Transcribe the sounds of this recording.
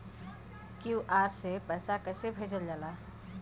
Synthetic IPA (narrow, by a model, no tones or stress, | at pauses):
kjuʔaːɾsepɛːsakɛsebʱeːd͡ʒəld͡ʒala